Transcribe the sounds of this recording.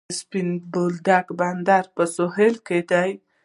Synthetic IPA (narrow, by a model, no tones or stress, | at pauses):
spinbold̪akband̪aɾpəsoɦelked̪aj